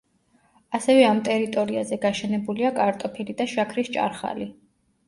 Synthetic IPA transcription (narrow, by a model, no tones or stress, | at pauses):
asɛvɛamt̪ʼɛɾit̪ʼɔɾiazɛɡaʃɛnɛbuliakʼaɾt̪ʼɔpʰilid̪aʃakʰɾist͡ʃʼa̰ɾχa̰li